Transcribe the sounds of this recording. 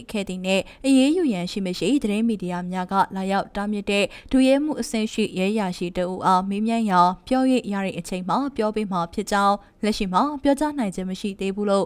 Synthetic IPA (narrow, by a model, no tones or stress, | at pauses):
kʰɛ̰d̪ðin̥ɛ̰̃ʔəjejujãʃḭməʃḭd̪əɾɪ̃midijamjaɡä̰lajaʊtamjɪtːɛl̥ujɛm̥ṵʔəsɪ̰̃ʔʃḭjɛʔjaʃḭtəʔṵʔamemjãjãʊpjɔjḛʔja̰ɹɛ̰̃ʔət͡ɕʰẽmapjɔpem̥apʰjɪʔt͡ɕãʊ̃ | lɛʔʃḭm̥apjɔt͡ɕan̥ãɪ̃ɲd͡ʑɪ̰̃məʃḭd̪ebulo